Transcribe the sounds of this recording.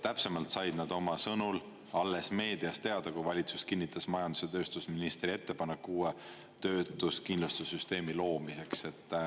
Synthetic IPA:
t̪æpse̞mɑlt̪sɑjd̪̥nɑd̪̥o̞mɑsɤnul | ɑlːe̞sme̞ːd̪̥iɑst̪e̞ɑd̪̥ɑkuvɑlʲit̪suskinːit̪ːˑɑsmɑjɑnd̪̥u̥set̪ø̞ːst̪usminist̪rie̞t̪ːe̞pɑnekːuːe | t̪ø̞ːt̪ːˑuskind̪lust̪usːyst̪e̞ːmilo̞ːmise̞kse̞t̪ːˑ

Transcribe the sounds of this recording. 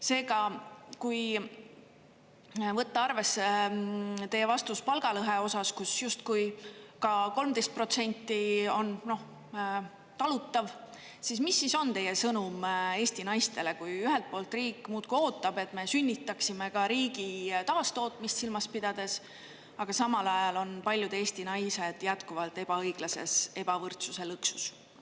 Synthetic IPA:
se̞ːɡɑkuj | vɤt̪ːɑɑrve̞se | t̪e̞jevɑst̪uspɑlɡ̥ɑlɤɦeo̞sɑskusjust̪kujkɑko̞lmt̪e̞jst̪̚pro̞t̪se̞nʲt̪ˑːio̞nno̞h | t̪ɑlut̪ːˑɑv | sismisːiso̞nt̪e̞jesɤnume̞ːst̪inɑjst̪e̞le̞kujyɦelt̪̚po̞ːlt̪riːkˑːmuːt̪kuo̞ːt̪ːˑɑb̥e̞t̪ːme̞synʲːit̪ːˑɑksime̞kɑɾiːɡit̪ɑːst̪o̞ːt̪ˑmist̪silmɑspid̪̥ɑd̪̥e̞s | ɑɡ̥ɑsɑmɑlɑjɑlo̞npɑlʲjud̪̥e̞ːst̪inɑjse̞d̪̥jæt̪kuvɑlt̪e̞b̥ɑɤjɡ̥lɑse̞̰se̞b̥ɑvɤrt̪suse̞lɯksu̥s

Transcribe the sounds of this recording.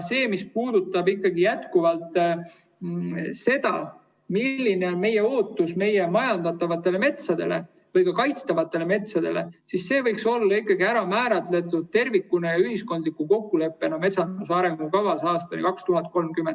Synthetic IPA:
se̞ːmispuːd̪̥ut̪ːˑɑbikˑːɑɡijæt̪kuvɑlt̪ | se̞d̪̥ɑ̰ | milːine̞o̞nme̞je̞o̞ːt̪ːˑusme̞je̞mɑjɑnd̪ɑt̪ːˑɑvɑt̪ːˑe̞le̞me̞t̪sɑd̪e̞̰le̞̰ | vɤjɡɑkɑjt̪st̪ɑvɑt̪ːˑe̞le̞me̞t̪sɑd̪̥e̞le̞̰sisːe̞ːvɤjkso̞lːɑikːˑɑɡiæɾɑmæːɾɑt̪le̞t̪ːˑud̪̥̚t̪e̞rvikːunejɑyɦisko̞nd̪likːuko̞kːule̞pːˑe̞nɑme̞t̪sɑnd̪usɑɾe̞ŋɡ̥ukɑvɑsɑːst̪ɑ̰nḭkɑkst̪uɦɑt̪̚ko̞lmkymen̥

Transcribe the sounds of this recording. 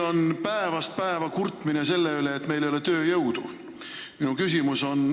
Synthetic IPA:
o̞npæevɑst̪̚pæevɑkurt̪ːˑminese̞lːeyle̞ːt̪ːˑme̞jlejolet̪ø̞ːjɤwd̪̥u | minukysimuso̞n

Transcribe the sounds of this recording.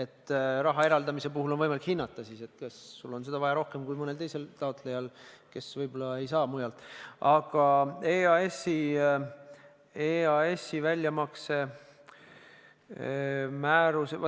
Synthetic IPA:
e̞t̪ːˑɾɑɦɑe̞ɾɑld̪ɑmise̞p̬uɦulonvɤjmɑlikhinːɑt̪ˑːɑsiːse̞t̪kɑsːulːo̞nse̞d̪ɑvɑjɑɾo̞hke̞mkujmɤnelt̪ejselt̪ɑot̪ˑlejɑlke̞svɤjbo̞lːɑe̞jsɑːmujɑlt̪ːˑɑɡ̥ɑeːɑesi | eɑe̞sːivælʲjɑmɑkse̞ | mæːɾus

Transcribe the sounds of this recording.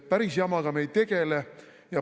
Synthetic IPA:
pæɾisjɑmɑɡ̥ɑme̞jd̪̚t̪ːe̞ɡ̥ele | jɑ

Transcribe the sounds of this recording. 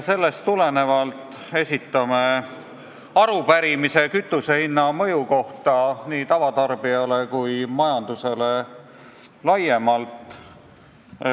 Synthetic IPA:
se̞lːe̞st̪ːule̞ne̞vɑlt̪ˑ | e̞sʲit̪ːˑɑme̞ | ɑɾupæɾimise̞kyt̪ˑːuse̞hinːɑmɤ̞juko̞ht̪ɑniːt̪ɑvɑt̪ɑrb̥iɑlekujmɑjɑnd̪̥use̞le̞ | lɑjemɑlt̪ˑ

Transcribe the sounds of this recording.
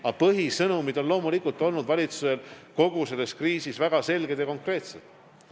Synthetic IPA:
ɑpɤɦisɤnumid̪o̞nlo̞ːmulikult̪ˑo̞lnud̪vɑlʲit̪suse̞lko̞ɡ̥use̞lːe̞skriːsisvæɡ̥ɑse̞lɡ̥e̞d̪̥jɑko̞ŋkre̞ːt̪sed̪̥

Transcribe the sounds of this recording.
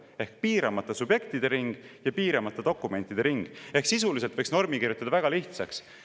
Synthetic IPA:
e̞hk̚piːɾɑmɑt̪ːˑɑsubje̞kt̪id̪e̞ɾiŋɡ̥jɑpiːɾɑmɑt̪ːˑed̪̥o̞kːˑume̞nt̪ːˑid̪̥e̞ɾiŋɡ̥e̞hksisulis̬elt̪vɤ̞jksno̞rmikiɾjut̪ɑd̪̥ɑvæɡ̥ɑliht̪sɑks

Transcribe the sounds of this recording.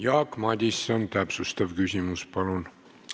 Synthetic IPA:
jɑːkmɑd̪ʲisːɑnt̪æpsust̪ɑvkysʲimuspɑlun

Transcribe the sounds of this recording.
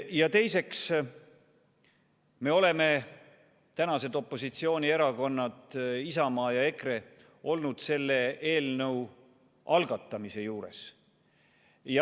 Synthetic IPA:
jɑt̪e̞jse̞ks | me̞o̞le̞me̞ | t̪ænɑse̞d̪o̞pːˑo̞sit̪sio̞ːnʲie̞ɾɑko̞nːɑd̪̥isɑmɑːjɑe̞kre̞ | ʔo̞lnud̪̥se̞lːe̞e̞ːlnɤw | ɑlɡ̥ɑt̪ːˑɑmise̞juːɾe̞̰s | jɑ

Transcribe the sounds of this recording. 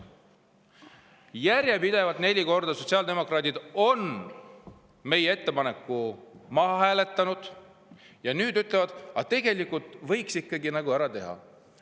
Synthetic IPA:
jæɾjepid̪e̞vɑt̪ne̞lʲiko̞rd̪̥ɑso̞t̪ʲsiɑːld̪e̞mo̞krɑːt̪id̪̥o̞n | me̞jee̞t̪ːe̞pɑne̞kːˑumɑɦɑɦæːle̞t̪ːɑnud̪̥ | jɑnyːd̪yt̪ˑle̞vɑd̪̥ɑt̪ːe̞ɡ̥e̞likːˑult̪ˑvɤ̞jksikːɑɡinɑɡuæɾɑt̪e̞ɦɑ̰

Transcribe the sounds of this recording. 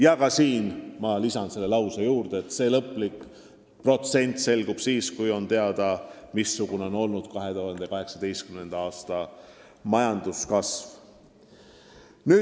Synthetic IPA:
jɑkɑsiːnmɑlisɑnse̞lːe̞lɑwsejuːɾd̪̥eːt̪ːse̞ːlɤpˑlik | pro̞t̪se̞nʲt̪ˑse̞lɡ̥ub̥siːskujo̞nt̪e̞ɑd̪̥ɑmisːuɡ̥une̞o̞no̞lnud̪̥kɑɦe̞t̪uhɑnd̪̥e̞kɑɦe̞ksɑd̪e̞jst̪kymne̞nd̪̥ɑɑːst̪ɑ | mɑjɑnd̪̥uskɑsv | nyː

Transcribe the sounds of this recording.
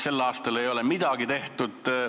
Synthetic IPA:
se̞lːɑːst̪ɑle̞jo̞le̞mid̪̥ɑɡ̥it̪e̞ht̪ud̪̥

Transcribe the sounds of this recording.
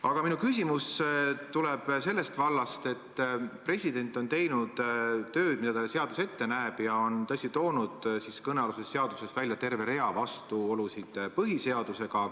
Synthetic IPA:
ɑɡ̥ɑminukysʲimust̪ulɛb̥se̞lːe̞st̪vɑlːɑst̪e̞t̪ːpre̞sʲid̪e̞nʲt̪ːˑo̞nt̪e̞jnud̪̥ːø̞ːd̪̥̚mid̪ɑt̪ɑlese̞ɑd̪̥use̞t̪ːe̞næːb̥jɑo̞nt̪ɤsʲt̪it̪o̞ːnud̪̥siskɤneɑlusesːe̞ɑd̪usesvælʲjɑt̪e̞rve̞ɾe̞ɑvɑst̪uolusid̪̥pɤɦise̞ɑd̪̥use̞ɡ̥ɑ

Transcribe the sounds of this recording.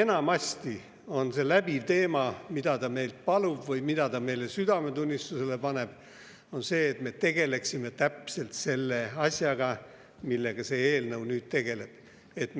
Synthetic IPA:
enɑmɑsʲt̪i | o̞nse̞læbivt̪e̞ːmɑmid̪̥ɑt̪ɑme̞jlt̪̚pɑlub̥vɤjmid̪̥ɑt̪ɑme̞jle̞syd̪ɑmet̪unʲːist̪use̞le̞pɑne̞b̥ | o̞nse̞ːt̪me̞t̪e̞ɡ̥e̞le̞ksime̞t̪æpse̞lt̪se̞lːeɑsʲjɑɡ̥ɑ | milːeɡ̥ɑse̞eːlnɤwnyːd̪̥̚t̪e̞ɡ̥e̞le̞b̥ | e̞t̪

